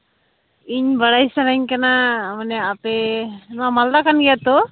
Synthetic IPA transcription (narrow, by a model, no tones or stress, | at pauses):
iɲbaɽajsanaɲkanamanɛapɛnɔwamald̪akanɡɛjat̪ɔ